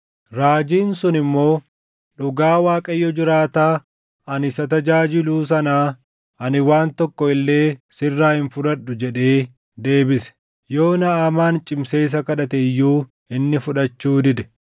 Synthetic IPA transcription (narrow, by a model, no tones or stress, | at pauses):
ɾaːd͡ʒiːnsʊnɪmːo̞ː | ᶑʊɡaːwaːkʼɐjːɔd͡ʒɪɾaːt̪aː | ɐnɪsɐt̪ɐd͡ʒaːd͡ʒɪluːs̬ɐnaː | ɐnɪwaːnt̪ɔkːɔɪlːe̞ːsɪrːaːhɪnfʊᶑɐɗːʊd͡ʒɛᶑe̞ː | d̪e̞ːbɪsɛ̥ | jo̞ːnɐːmaːnt͡ʃʼɪmse̞ːs̬ɐkɐᶑɐt̪ɛjːuː | ɪnːɪfʊᶑɐt͡ʃːuːd̪ɪd̪ɛ̥